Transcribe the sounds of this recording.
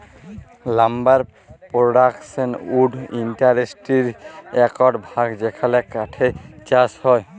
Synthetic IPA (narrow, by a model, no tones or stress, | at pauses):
lambaɹ | pɹɔɖaksɔnudintaɹestiɹɛkɔtbʱaɡzɛkʰalɛkaʈʰet͡ʃashɔj